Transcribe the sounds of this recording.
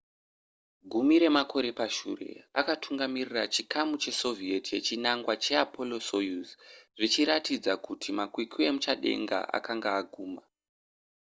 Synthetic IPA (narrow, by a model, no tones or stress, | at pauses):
ɡʱumiɾe̞makʰo̞ɾe̞paʃṵre̞̰a̰katʰuŋɡamirirat͡ʃikʰamut͡ʃe̞so̞vietje̞t͡ʃinaŋɡwat͡ʃe̞apʰo̞lo̞sojusʐit͡ʃiɾatid͡zakutʰimakwikʰue̞mut͡ʃaɗe̞̰ŋɡa̰ʔa̰kaŋɡaːɡʱuːma